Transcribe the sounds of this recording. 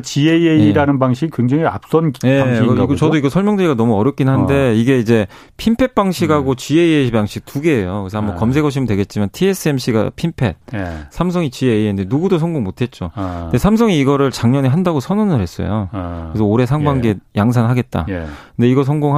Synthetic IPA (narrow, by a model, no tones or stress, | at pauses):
t͡ɕieieiɾanɯnbaŋɕʰikikweŋd͡ʑaŋia̰p̚s͈ʌnje̞t͡ɕʌdoiɡʌsʰʌɭmjʌŋdɯɾiɡanʌmuʌɾjʌk͈inɦande̞iɡe̞id͡ʑe̞ | pʰimpʰe̞t̚p͈aŋɕʰiɡɦaɡot͡ɕieiebaŋɕʰik̚tuɡe̞ːjokɯesʰamːakʌmsʰe̞ɡʌɕ̬ʰimɯdwe̞ɡe̞t̚t͡ɕ͈imantʰie̞s͈ʰɯe̞mɕ͈ʰiɡa̰pʰimpʰe̞̰d̚sʰams̬ʰʌŋit͡ɕiendenuɡudos̬ʰʌŋɡoŋmotʰe̞t̚t͡ɕ͈ode̞sʰams̬ʰʌŋiːɡʌɾɯɭt͡ɕaŋɲʌɲiɦandaɡosʰʌnʌnɯɭhe̞s͈ʌ̰jo̰kɾesʰʌoɾe̞sʰaŋbaŋɡejaŋs̬ʰanɦaɡe̞t̚t͈a̰kɯnde̞iɡʌsʰʌŋɡoŋ